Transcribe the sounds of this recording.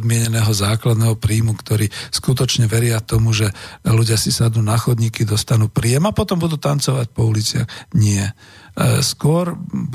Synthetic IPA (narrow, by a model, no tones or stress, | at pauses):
d̪mɪɛɲɛnɛːɦɔzaːklad̪nɛːɦɔpɾiːmukt̪ɔɾiːskut̪̬ɔt͡ʃɲɛʋɛɾɪat̪ɔmuʒɛluɟɪasisad̪nuːnaxɔd̪ɲiːkid̪ɔst̪anuːpɾiɛmapɔt̪ɔmbud̪uːt̪ant͡sɔʋac̚pɔulit͡sɪa̰ɣɲɪɛ | skʊɔɾ